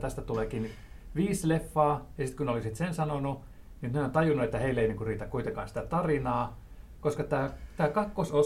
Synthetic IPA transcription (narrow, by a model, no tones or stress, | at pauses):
t̪æst̪æt̪uleːkin | ʋiːslefːɑːjɑsit̪kuneolisit̪sensɑnonu | ninneont̪ɑjunuet̪ːæheilːeinːiŋkuriːt̪ækkuit̪eŋkɑ̰ːnsi̥t̪æt̪ɑrinɑː | koskɑt̪æːt̪æːkɑkːoso